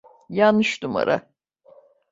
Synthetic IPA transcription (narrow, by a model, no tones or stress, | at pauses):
janːɯʃd̪uma̰ɾa̰